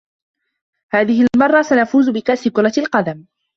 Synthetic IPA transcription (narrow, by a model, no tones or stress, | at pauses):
haːðɪhɪlmɑrˤːɑsanafuːzʊbɪkaʔsɪkʊɾˤɑlqɑd̪am